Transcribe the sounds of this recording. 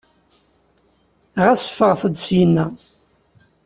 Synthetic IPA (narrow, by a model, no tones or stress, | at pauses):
ʁæsə̥fəʁθəd̪sjənːæ